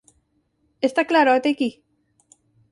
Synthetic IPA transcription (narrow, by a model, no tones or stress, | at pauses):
est̪aklaɾoat̪eki